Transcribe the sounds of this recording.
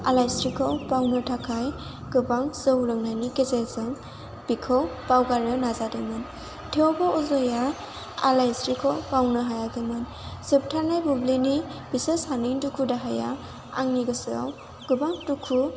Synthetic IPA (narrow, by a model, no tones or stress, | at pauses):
alajstɾikʰɔwpawnɯtʰakʰaj | ɡ̥ɯbaŋzɯwlɯŋnajnikezezɯm | b̥ikʰɔwpawɡaɾnɯnazadɯmɯn | tʰeobɔɔzɔja | alajstɾikʰɔwpawnɯɦajaɡɯmɯn | sep̚tʰaɾnajbublinibiseshaniŋtukʰudaɦaja̰ | a̰ŋniɡɯsɯw | ɡ̥ɯbaŋtukʰu